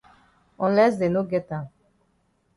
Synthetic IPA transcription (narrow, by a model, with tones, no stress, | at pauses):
ɔ̃nlɛ˦sd̪e˨no˦ɡɛ˦t̪ã˨